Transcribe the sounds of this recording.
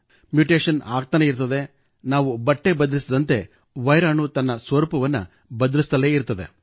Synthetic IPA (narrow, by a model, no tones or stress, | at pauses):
mjuʈeːʂɐna̰ːɡ̚t̪ɐneiɾt̪ɐd̪e̞ | naːʋubɐʈːebɐd̪ɐlisid̪ɐnt̪e̞ | ʋɐjɾaːɳut̪ɐnːɐsʋɐɾupɐʋɐnːɐ̰ | bɐd̪ɐlist̪ɐleːiɾt̪ːɐd̪e̞